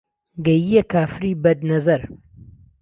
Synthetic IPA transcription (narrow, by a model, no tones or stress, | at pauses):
ɡɐjijekaːfɾiːbɐd̪̚nɐzɐɾ